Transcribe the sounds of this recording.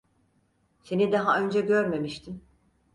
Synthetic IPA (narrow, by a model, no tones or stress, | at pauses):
se̞nid̪aɦaø̞nd͡ʒɛɟøɾme̞miʃt̪ʰim